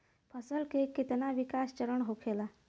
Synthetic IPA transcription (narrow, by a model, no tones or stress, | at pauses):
pʰəsəlkekit̪naʋikast͡ɕəɾəɳɦokʰela